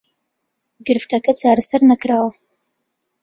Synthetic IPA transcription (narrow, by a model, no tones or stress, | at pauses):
ɡɨrftʰɐkʰɨt͡sʰaːrsɨrnɐkʰraw